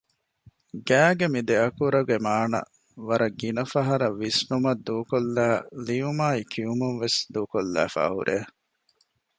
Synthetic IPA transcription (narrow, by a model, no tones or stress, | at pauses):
ɡæːɡemid̪eɐkuɾɐɡemaːnɐ̰ | ʋɐɾɐɡinɐfɐɦɐɾɐʋːisnumɐd̪ːuːkolːæːlijumaːikʰiumunʋesd̪uːkolːæ̰ːfa̰ːɦṵɾʔeː